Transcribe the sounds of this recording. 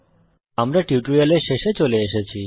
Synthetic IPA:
amɾaʈiuʈoɾialeʃeʃet͡ɕoleeʃet͡ɕʰi

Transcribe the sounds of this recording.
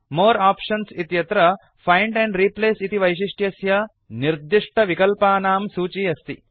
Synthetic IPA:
moːɾaːpʂɐnsit̪jɐt̪ɾɐ | pʰɐjɳɖɛɳɖɾiːpleːsit̪iʋɐjʃ̬iʂʈjɐsjɐ | niɾd̪iʂʈʰɐʋikɐlpaːnaːmsuːt͡ʃijɐst̪i

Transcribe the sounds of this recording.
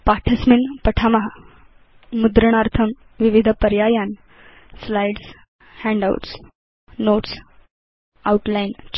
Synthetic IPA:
paʈʰəsminpəʈʰamaɦa | mud̪ɾəɳ̃aɾt̪ʰəm | ʋiʋid̪ʱəpəɾjajan | slajɖs | hɛ̃ɳɖa̰w̰ʈs | noʈs | auʈlajnt͡ɕ

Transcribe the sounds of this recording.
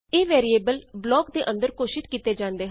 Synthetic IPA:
eːʋɛːɾieːbəlblɔːkd̪eːʔə̃nd̪əɾkoːʃɪt̪kiːt̪eːd͡ʒãːnd̪eːɦ

